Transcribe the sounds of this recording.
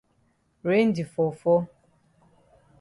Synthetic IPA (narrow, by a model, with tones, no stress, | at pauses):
ɾe˦n̩˦di˨fo˨fɔ˦